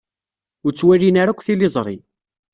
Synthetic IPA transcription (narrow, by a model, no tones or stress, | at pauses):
ʊɾt͡sːwærinaɾækʷːθilːɪzˤɾˤḭ